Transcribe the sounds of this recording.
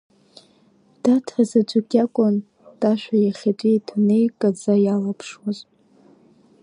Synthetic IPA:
d̥atʰazad͡ʒʷʼaɡʲʼakʷʼʊn | d̥ʼaʃʷᶣajaχʲatʷʼitʰanejkʼad͡zajalapʰʂwaz

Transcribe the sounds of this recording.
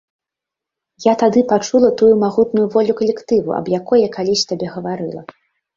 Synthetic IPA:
jat̪ad̪ɨpat͡ʂulˠɐt̪ujumaɣut̪nujuvɔlʲukɐlʲɛkt̪ɨvṵɐ̰bjakɔjɐkalʲisʲt̪abʲɛɣɐvaɾɨ̰lˠɐ̰

